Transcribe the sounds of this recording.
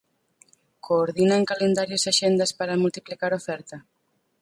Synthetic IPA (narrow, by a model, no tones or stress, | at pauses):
koːɾðinaŋkalend̪aɾjosaʃend̪ɐspaɾamult̪iplikaɾofɛɾt̪ɐ